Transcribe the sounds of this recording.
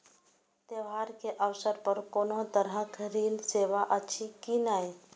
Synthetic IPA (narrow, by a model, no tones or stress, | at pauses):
t̪eʋɦaɾkeʔəʋsəɾpəɾkonot̪əɾɦə̃kɾiːlseːʋaʔətːʃʰikinaj